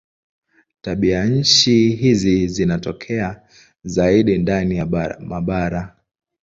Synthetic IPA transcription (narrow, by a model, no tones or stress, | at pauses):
taɓiaɲ̩t͡ʃiɦizizinatɔkʰɛa | zaiɗindanijamaɓaɾa